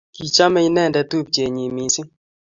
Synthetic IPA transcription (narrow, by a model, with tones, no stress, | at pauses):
ki˨t͡ʃa˦mɛ˦i˦nɛ˦˨ndɛ˨˦tu˦p̚t͡ʃe˨ɲi˨mi˨sɪ˦